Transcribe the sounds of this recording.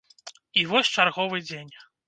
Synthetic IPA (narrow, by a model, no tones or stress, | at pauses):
ivɔsʲt͡ʂarɣɔvɨd͡zʲenʲ